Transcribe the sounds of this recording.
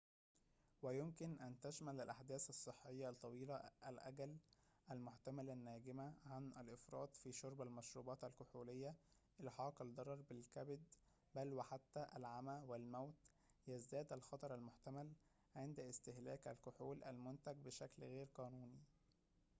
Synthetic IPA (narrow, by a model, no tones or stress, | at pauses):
wæjomkɪnʔænt̪æʃmælælʔaħd̪æːsɑsˤːɨħːejːɑt̪ˤːɑwiːlæʔælʔæ̰ɡæl | ʔælmoħt̪æmælænːæːɡɪmæʕanʔælʔɪfɾˤɑ̰ːd̪fiːʃoɾˤbælmæʃɾuːbɑːt̪ælkʊħuːlejːæ | ʔelħɑːqɑld̪ˤɑɾˤɑɾˤbɪlkæbd̪ | bælwæħat̪ːæʔælʕamæwɪlmæwt̪ | jæzd̪æːd̪ælxɑt̪ˤɑɾˤælmoħt̪æmæl | ʕend̪ɪst̪ɪhlæːkʔæ̰lkʊħuːlʔæ̰lmʊnt̪æɡ̚bɪʃæklɣeːɾqɑːnuːni